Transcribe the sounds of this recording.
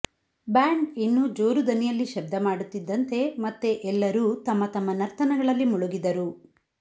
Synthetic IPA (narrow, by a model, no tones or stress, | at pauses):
bjaːɳɖinːud͡ʒoːɾud̪ɐnijɐlːiʃɐb̚d̪ʱɐmaːɽut̪ːid̪ːɐnt̪e̞mɐt̪ːeʔɛlːɐɾuːt̪ɐmːɐt̪ɐmːɐnɐɾt̪ʰɐnɐɡɐɭɐlːimuɭuɡid̪ɐɾu